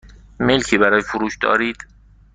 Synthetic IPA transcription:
melkʰiːbæɾɒːjefoɾuːʃd̪ɒ̰ːɾiːd̪̥

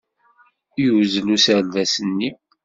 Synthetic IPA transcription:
jwzlusəlvæsənːi

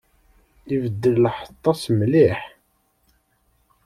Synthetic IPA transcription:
ivəd̪ːəllħə̥t̪ˤːɑsmliħ

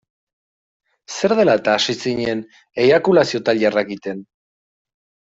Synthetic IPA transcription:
se̞ɾðe̞laet̪aːsisiɲe̞n | ejβakulasio̞t̪alarakit̪e̞n

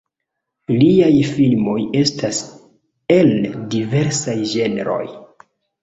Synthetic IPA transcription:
liajfilmo̞je̞stas | e̞ldive̞ɾsajd͡ʒe̞nḛɾo̞̰j

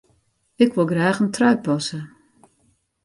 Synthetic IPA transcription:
ɪkʋolˠɡraːxəntrœɥpɔsə

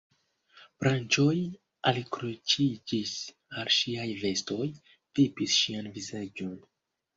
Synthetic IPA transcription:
b̥ɾant͡ʃo̞j | alikɾut͡ʃid͡ʒis | alʃiajve̞sto̞j | pipisʃianvizad͡ʒo̞n

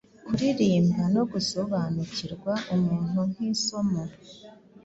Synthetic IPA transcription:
kuɾiɾiːmbano̞ɡuso̞βaːnuciɾɡwaʔumuːn̥huŋ̥hiso̞ma

